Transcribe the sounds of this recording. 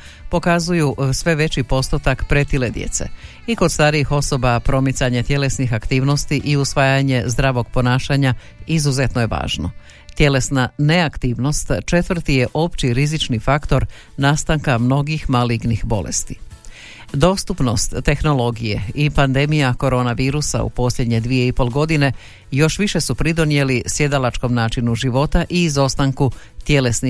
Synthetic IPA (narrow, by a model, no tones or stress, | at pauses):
po̞kazujusʋe̞ʋe̞t͡ɕipo̞st̪ot̪akpɾe̞t̪iled̪jḛt̪sḛ | iko̞d̪st̪aːɾijixo̞so̞bapɾo̞mit̪saɲet̪je̞le̞snixakt̪iːʋno̞st̪iʔiusʋaːjaɲe̞zd̪ɾaːʋo̞ɡ̚po̞naːʃaɲa | izuze̞t̪noje̞ʋa̰ːʒno̰ | t̪je̞le̞snane̞akt̪iːʋno̞st̪t͡ʃe̞t̪ʋr̩t̪ije̞ʔo̞pt͡ɕiɾizit͡ʃnifakt̪o̞ɾ | naːst̪aŋkamno̞ɡixmaliɡnixbo̞̰lḛst̪i̥ | d̪o̞ːst̪upno̞st̪ːe̞xno̞lˠo̞ɡije̞̰ipand̪e̞mijako̞ɾo̞ːnaʋiːɾusa̰ṵpo̞sʎʲe̞d̪ɲe̞d̪ʋijeipo̞lˠɡo̞d̪ine̞ | jo̞ʃʋiʃe̞supɾid̪o̞nije̞lisje̞d̪alat͡ʃko̞mnaːt͡ʃinuʒiʋo̞t̪aʔiːzo̞st̪aŋkut̪je̞le̞sni